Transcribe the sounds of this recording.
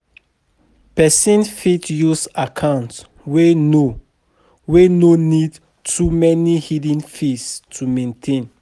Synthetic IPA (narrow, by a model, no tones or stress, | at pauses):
pɛsĩnfitjusakʰãʊ̃nt | weno | wenonid | tʰumɛnihidĩnfistʰumẽntʰẽn